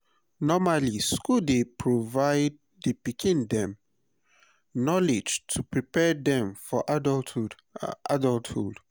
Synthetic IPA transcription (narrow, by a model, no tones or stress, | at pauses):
nɔmaliskuldepʰɹovaɪd̚ | dəpikʰĩndɛ̃m | nɔlid͡ʒtʰupɹipɛdɛ̃mfɔʔad | ʔa̰dɔltṵd